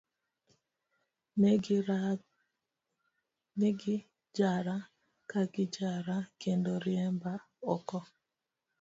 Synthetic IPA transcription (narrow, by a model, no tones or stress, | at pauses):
meɡi | d͡ʒaɾa | kakid͡ʒaɾakendoɾɪɛmba | ɔkɔ